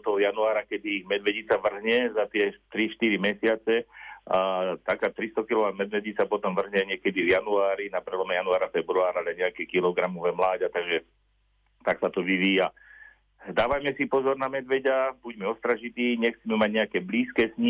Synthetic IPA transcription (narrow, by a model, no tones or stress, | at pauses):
t̪ɔɦɔjanuaːɾakɛd̪imɛd̪ʋɛɟit͡saʋr̩ɦɲɛzat̪ɪɛt̪ɾiʃt̪iɾimɛsɪat͡sɛat̪akaːt̪ɾist̪ɔkilɔʋad̪mɛd̪ʋɛɟit͡sapɔt̪ɔmʋr̩ɦɲɛɲɪɛkɛd̪ivjanuaːɾinapɾɛlɔmɛjanuaːɾafɛbɾuaːɾalɛɲɛakɛːkilɔɡɾamɔʋɛːmlaːɟat̪aɡʒɛ | t̪aksat̪ɔʋiʋiːja | d̪aːʋajmɛsipɔzɔɾnamɛd̪ʋɛɟabuɟmɛɔst̪ɾaʒit̪iːɲɛxt͡simɛmaɟɲɛakɛːbliːskɛːsɲi